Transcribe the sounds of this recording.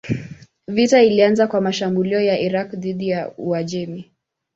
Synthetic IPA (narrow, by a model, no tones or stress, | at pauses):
vitailianzakwamaʃambuliɔjaʔiɾakðiɗijauaʄɛmi